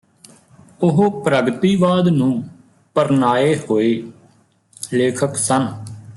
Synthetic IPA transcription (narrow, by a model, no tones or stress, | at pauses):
ʊɦopɾəɡt̪iːʋaːd̪nũː | pəɾnaːeːɦoːeː | leːkʰəksən